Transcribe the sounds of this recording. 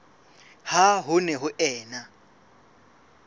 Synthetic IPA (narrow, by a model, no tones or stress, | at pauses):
haɦʊnɛɦʊʔɛːna